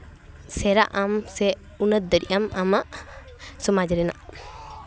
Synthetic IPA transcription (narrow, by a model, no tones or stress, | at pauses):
sɛɾaʔamsɛ | unət̪̚d̪əɾiʔamamaʔ | sɔmad͡ʒɾɛna̰ʔ